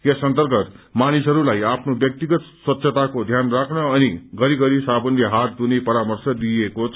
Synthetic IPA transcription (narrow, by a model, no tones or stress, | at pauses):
jesʌnt̪ʌrɡʌt̪manisɦʌɾulajapʰnobjʌk̚t̪iɡʌt̪swʌt̪ːsʰʌt̪akod̪ʱjanrakʰnʌːniɡʌɾiɡʌɾisabʌnleɦat̪̚d̪unepʌɾamʌrsʌd̪ijekot͡sʰ